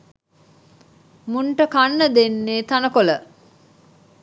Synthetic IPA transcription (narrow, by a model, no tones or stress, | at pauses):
muɳʈəkanːəd̪enːeːt̪anəkolə